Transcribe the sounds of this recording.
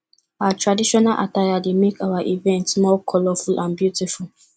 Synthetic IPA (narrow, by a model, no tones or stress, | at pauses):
aatʰɹadiʃɔnalʔa̰tajademekawaʔivɛ̃ntsmɔkʰɔlɔfulʔãnbjutiful